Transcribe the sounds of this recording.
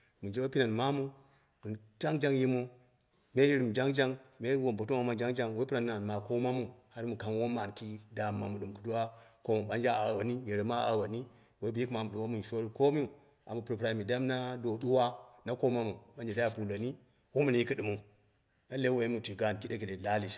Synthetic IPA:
mu˨nd͡ʒe˦wo˦pi˦na˨nma˦mu˦ | du˨d͡ʒa˦ŋd͡ʒa˦ŋji˦mu˦ | me˦ji˦ɾi˨m˨d͡ʒa˦ŋd͡ʒa˦ŋme˦wo˨mbo˨tu˦ma˨˦ma˨nd͡ʒa˦ŋd͡ʒa˦ŋwe˦pi˦ɾa˨nːa˨n˨ma˨ko˦ma˦mu˨ha˦ɾi˦mu˨ka˨nwo˦ma˨nki˦da˨mːa˨mu˨ɗu˨m˨ku˨du˦wa˦ko˦mu˨ɓa˦nd͡ʒa˦a˨wa˨ni˦je˨ɾi˨ma˦a̰˨wa˨ni˦ | we˨˦bi˦i˦kma˨mu˨ɗu˨a˦mu˨n˨ʃo˦ɾi˦ko˦mi˦u˨ | a˨mu˨pɾi˨pɾa˨i˨mi˨da˦mna˦do˨du˦wa˦na˦ko˦ma˦mu˨ɓa˨nd͡ʒe˨da˦a˦˨pu˨lo˨ni˦ | wo˦mu˦n˨i˦kɨ˦ɗu˨mu˨ | na˦le˦wo˨ji˦mu˨ti˨ɡa˦˨n˨ki˦de˦ki˨ɗe˨la˦li˨ʃa˨

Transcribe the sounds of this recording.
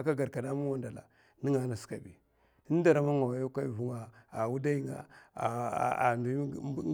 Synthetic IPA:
a˨ka˦ɡa˨ɾka˨na˦mu˦wa˦nda˨la̰˨ | ni˦ŋa˨˦na˨ska˨bḭ˨˦ | n˦da˨ɾa˦ma˦ŋa˨wa˨jo˦ka˦i˨vu˦ŋa˨a˨wu˦da˦ji˦ŋa̰˨ | ndu˨˦

